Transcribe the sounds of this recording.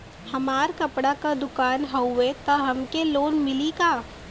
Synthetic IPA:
hɐmaːɾkɐpɽakad̪ʊkaːnɦɐet̪ɐɦɐmkeloːnmɪlikaː

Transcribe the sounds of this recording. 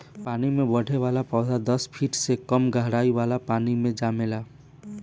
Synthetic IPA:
paːnimẽbəɽ̤ʱeʋalapɔːd̪ʱad̪əspʰiʈsekəmɡʱəɦɽaːiʋalapaːnimẽd͡ʒamela

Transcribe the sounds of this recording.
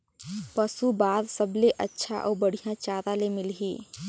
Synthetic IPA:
pəsubaːd̪səbleʔətːʃʰa̰ʔɔːɾbəɽ̤ijãt͡ʃaːɾalemɪlɦiː

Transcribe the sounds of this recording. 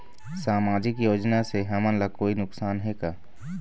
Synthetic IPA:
saːmaːd͡ʒɪkjoːd͡ʒnaseɦɐmə̃nlakoːinʊksaːnɦeːɡaː

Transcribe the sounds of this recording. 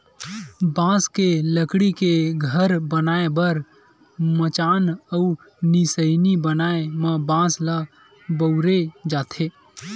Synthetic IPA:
bãːskeləkɽikeɡʱəɾbənaːebəɾ | mət͡ʃaːnəu | nisəɪnibənaːemə̃bãːsla | bəʊɾed͡ʒaːt̪ʰe

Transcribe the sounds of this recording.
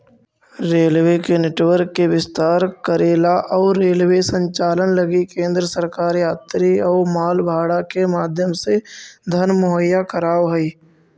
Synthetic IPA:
ɾeːlwekenɛʈwəɾkːeʋɪst̪aːɾkəɾeːlaʔɔːɾeːlwesə̃ɲt͡ʃaːlənləɡikẽːnd̪ɾəsəɾkaːɾjaːt̪ɾiɔːɾmaːlbʱaːɽakemaːd̪ʱjəmsed̪ʱənmʊɦəjːakəɾaːʋɦɛi

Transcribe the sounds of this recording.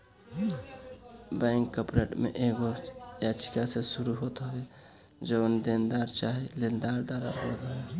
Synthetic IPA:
bɛŋkːəpɾeʈmḛʔeɡojat͡ʃʰi̥kasesuɾuɦot̪ɦəbe | d͡ʒəbnd̪end̪aɾt͡ʃaɦilend̪aɾd̪aɾa̰ɾɦot̪ɦəbe

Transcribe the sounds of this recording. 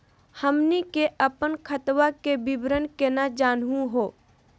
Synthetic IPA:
həmnikeʔəpənkʰət̪ʋakebɪbɾənkenad͡ʒaːnɦũɦoː

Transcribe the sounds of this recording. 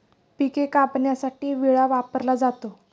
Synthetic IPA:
pikekapnjasaʈiːʋiɭaʋapəɾlad͡zat̪o

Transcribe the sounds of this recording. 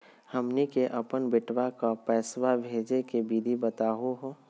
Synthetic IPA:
həmnikeʔəpənbɪʈwakapɛːswabʱeːd͡ʒekebiːd̪ʱibət̪aːɦoɦoː

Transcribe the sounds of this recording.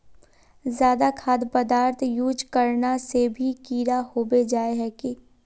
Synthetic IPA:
zjaːd̪akʰaːd̪pəd̪aːɾt̪ʰjuːd͡ʒkəɾnasebʱikiːɾahoːbed͡ʒaːeɦɛki

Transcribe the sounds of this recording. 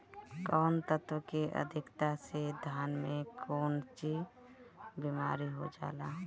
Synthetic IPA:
kɔːnt̪ət̪wəkeʔə̰d̪ʱɪkt̪ased̪ʱaːnmẽkʰoːnt͡ʃid͡ʒ | bimaːɾiɦo̰d͡ʒa̰ːla

